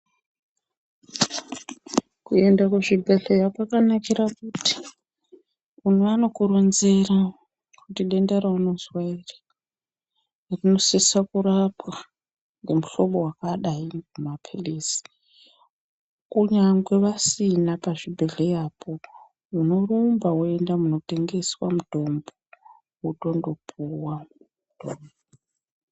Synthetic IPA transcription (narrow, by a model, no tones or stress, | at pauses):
kue̞ndakuʐibʱeɮejakakanakirakuti̥ | unuano̞kurunzera | kutiɗendeɾauno̞zwairḁ | rino̞sisakurapwa | nɡemuɬoɓowakaɗaimumapʰilisi̥ | kuɲaŋɡwe̞ʋasinapaʐibʱeɮejaːpʰo̞ | uno̞rumbawoe̞ndamuno̞te̞ŋɡe̞swamudʱo̞mbo | uto̞ndo̞pʰuwa | d̥ʱomboo